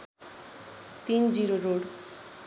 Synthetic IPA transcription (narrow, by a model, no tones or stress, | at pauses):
t̪ind͡ʑiɾoɾoɽ